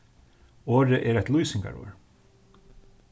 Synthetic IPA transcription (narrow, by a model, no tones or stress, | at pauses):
oːɾəʔɛɾɛjt̪lujsɪŋka̰ɹo̰ːɹ